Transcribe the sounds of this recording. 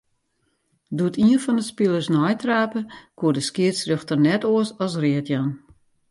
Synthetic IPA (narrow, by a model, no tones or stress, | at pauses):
dutiənfɔndəspilˠərsnɔjtraːpəkʰuədəskɪətsrøxtərnɛtoəsɔsrɪətʰjan